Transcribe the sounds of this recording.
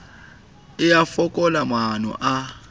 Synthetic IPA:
ɪjafɔkʼɔlamanɔ̰ʔa

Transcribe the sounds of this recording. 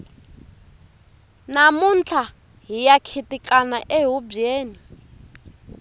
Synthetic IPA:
namunt͡ɬʰa | ɦijakʰitʼikʼanaʔɛɦubeːni

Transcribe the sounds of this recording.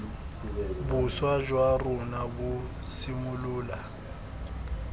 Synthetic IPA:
bʊswad͡ʒwarʊnabʊsimʊlʊːla

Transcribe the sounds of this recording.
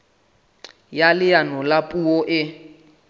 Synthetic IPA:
jalɪjanɔlapʼuɔʔɪ

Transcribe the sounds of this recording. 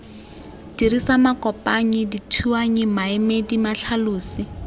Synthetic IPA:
dirisamakɔpʼaɲɪditʰuaɲɪmaɛmedimaɬʰaluːsi

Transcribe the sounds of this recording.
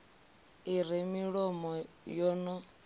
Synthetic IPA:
iɾimiɺɔmɔ | jɔːnɔ

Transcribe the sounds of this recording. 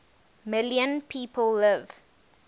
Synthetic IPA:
mɪljə̃npʰiːpʰəlːɪv̥

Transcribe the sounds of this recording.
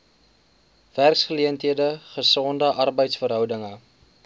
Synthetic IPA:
værksχəliəntɦiədəχəsɔndəʔɐrbəjtsfəɾɦœwdəŋə

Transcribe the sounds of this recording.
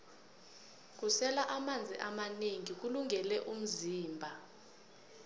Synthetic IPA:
k̬usɛlaʔamand͡zʱiʔamaneŋik̬uluŋɛlɛʔum̩ziːmbʱa

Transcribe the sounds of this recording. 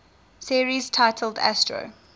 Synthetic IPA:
siɹiz̥tʰaɪtʰəl̩ˠdæ̰stɹo̰

